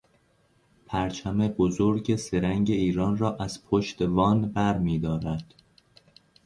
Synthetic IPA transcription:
pʰæɾt͡ʃʰæme̞bozoɾɟese̞ɾæŋɟe̞iːɾɒːnrɒːʔæz̥pʰoʃt̪evɒːnbæɾmiːd̪ɒːɾæd̪̥

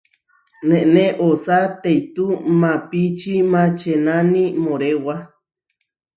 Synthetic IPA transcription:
nẽʔnẽʔosat̪ejt̪umãpit͡ʃimãt͡ʃenanĩmõɾewa

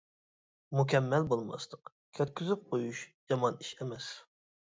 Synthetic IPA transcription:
mukʲɛmːɛlbolˠmɑ̰st̪ə̥q | kʲʰøt̪̚kʲʰyzyp̚qʰojuʃjɑmɑniʃɛmɛs

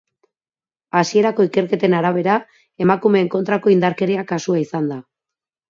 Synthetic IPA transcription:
asie̞ɾako̞ike̞ɾke̞t̪e̞naɾaβ̞e̞ɾa | e̞makume̞ːŋko̞nt̪ɾako̞ind̪aɾke̞ɾiakasuaisand̪a

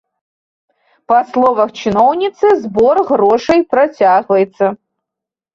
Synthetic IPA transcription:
pɐslˠovɐxt͡ʃʰinownʲit̪sɨzborɣroʂɨjprɐt͡sʲaɣvɐjt̪sɐ

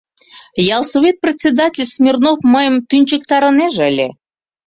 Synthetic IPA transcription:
jɑlˠsovit̪̚prʲet̪ʲt͡sʲsʲed̪atʲɪlʲsmʲirnofmɤjəmt̪ynʲt͡ɕəkt̪ɑɾə̆neʒəlʲḛ

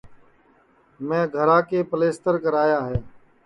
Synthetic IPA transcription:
mɛ̃ːɡʱəɾãːkeːpəleːst̪əɾkəɾaːjaːɦeː

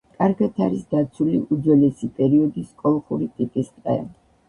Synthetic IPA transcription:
kʼaɾɡat̪ʰa̰ɾisd̪at̪sʰuliʔud̪zɛlɛsipʼɛɾiɔd̪iskʼɔlˠχuɾit̪ʼipʼisqʼɛ̰

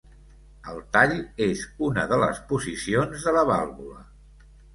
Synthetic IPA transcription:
əlˠt̪aʎezunəðələ̰spuzisionzðələβ̞alˠβulə̰

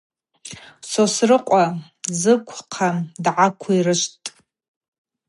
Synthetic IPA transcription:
sosrɨqʷʼa | zɨkʷʰqʰadʕakʷʰairɨʃtʼ

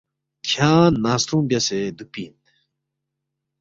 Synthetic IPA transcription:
kʰãːnast̪ʰũŋbʲased̪uk̚piɦin

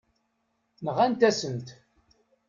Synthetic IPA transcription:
nəʁænt̪æsənt̪

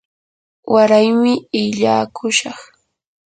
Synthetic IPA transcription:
waɾajmɪɪʎaːkʰʊʃɑχ

